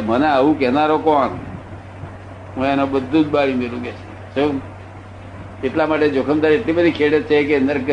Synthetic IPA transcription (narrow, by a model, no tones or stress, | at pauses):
məneaʋũkɛnaɾokɔɳ | ɦũɛnobəd̪ʱːũd͡ʒbaɭimelũɡet͡ʃʰe | t͡ʃʰə | eʈlamaʈed͡ʒokʰəmd̪aɾieʈlibəd̪ʱikʰeɽət͡ʃʰekeənd̪əɾk